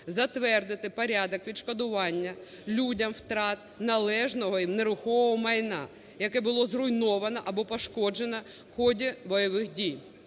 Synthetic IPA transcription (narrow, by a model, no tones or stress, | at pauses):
zɐt̪ʋɛrd̪ɪt̪ɪpɔɾʲɑd̪ɔkʋʲid̪ʃkɔd̪ʊʋɑnʲːɐ | lʲudʲɐmwt̪ɾɑt̪̚nɐlˠɛʒnɔɦɔimneɾʊxɔʋɔmɐjnɑ̰ | jɐkɛbʊlˠɔzrʊjnɔʋɐnɐʔɐbɔpɔʃkɔd͡ʒenɐwxɔdʲibɔjɐʋɪxdʲij